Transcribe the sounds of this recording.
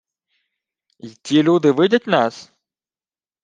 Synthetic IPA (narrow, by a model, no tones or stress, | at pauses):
itʲilʲud̪ɨvɨdʲɐtʲnas